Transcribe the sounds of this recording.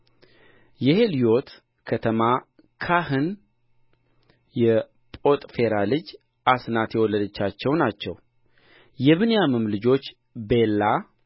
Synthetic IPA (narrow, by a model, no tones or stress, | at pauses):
jɛhelijo̞t̪ | kʰət̪ʰəma | kʰahɨn | jɛ | pʼo̞t̪ʼfe̞ɾalɨd͡ʒ | ʔasnat̪jɛwɔlːəd̪ət͡ʃːat͡ʃːɛwnat͡ʃːɛw | jɛβɨnjamɨmlɨd͡ʒo̞t͡ʃː | be̞lːa